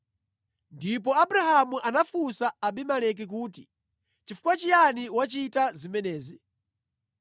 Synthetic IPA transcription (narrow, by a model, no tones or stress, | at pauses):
ndip̬ɔabuɾahamuʔanafusaːbimalɛk̬ik̬uːti | t͡ʃifu̥kwat͡ʃijaniwat͡ʃitazimɛnɛːzi